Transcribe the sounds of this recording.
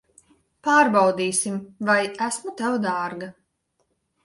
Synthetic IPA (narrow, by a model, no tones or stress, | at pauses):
paːɾbawd̪iːsimvajæsmut̪æwd̪aːɾɡa